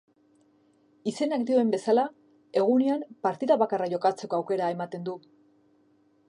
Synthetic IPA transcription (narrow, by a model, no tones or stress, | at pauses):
ise̞nakd̪io̞embe̞sala | e̞ɣ̞uneampaɾt̪iðaβakaraʝo̞kat͡se̞ko̞awke̞ɾae̞mat̪e̞nd̪u